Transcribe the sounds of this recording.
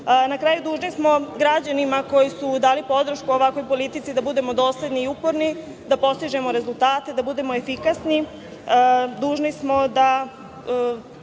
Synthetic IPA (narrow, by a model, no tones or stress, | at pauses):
nakɾaːjud̪uːʒnismo̞ɡɾad͡ʑanimako̞jisud̪aːlipo̞d̪ɾ̩ʃkuoʋakʋo̞jpo̞lit̪it̪sid̪abud̪e̞mo̞d̪o̞ːsle̞d̪niːupo̞ɾni | d̪apo̞st̪iʒe̞mo̞ɾe̞zulˠt̪aːt̪e̞d̪abud̪e̞moefikasni | d̪uːʒnismo̞d̪a